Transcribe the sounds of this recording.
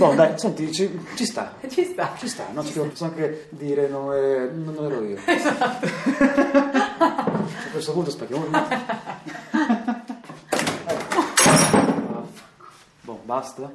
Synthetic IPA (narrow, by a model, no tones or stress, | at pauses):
bɔd̪ajsont̪it͡ʃit͡ʃist̪a̰t͡ʃist̪at͡ʃist̪a̰nːot͡ʃid̪ɛvopɔsoaŋke | d̪iːɾenonɛnːonːlɛɾɔiozat̪ː | akːwest̪opunt̪ospet̪ːjamot̪ut̪ | ɛkːo | bḁ | bɔ̰bast̪a